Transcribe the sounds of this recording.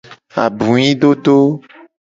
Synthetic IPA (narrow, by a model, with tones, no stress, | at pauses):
a̰˨bũ˨ɲĩ˦ɖo˦ɖ̪o˦